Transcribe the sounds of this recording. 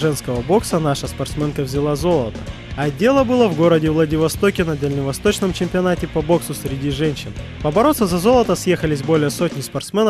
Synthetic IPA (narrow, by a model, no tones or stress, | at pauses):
ʐɛnskəvəbo̞ksənaʂəspɐrt̪smʲenkəvzʲɪlˠazo̞lˠət̪ə | ɐdʲːe̞lˠəbɨlˠəvɡo̞ɾədʲɪvlˠədʲɪvɐst̪o̞kʲɪnəd̪əlʲnʲɪvɐst̪o̞t͡ɕnəmt͡ɕɪmʲpʲɪɐnatʲɪpɐbo̞ksʊsʲɾʲɪdʲiʐɛnʲɕːɪn | pəbɐɾo̞t̪sːəzɐzo̞lˠət̪əsjexəlʲɪs̬ʲbo̞lʲɪjəso̞tʲnʲɪspɐrt̪smʲe̞nə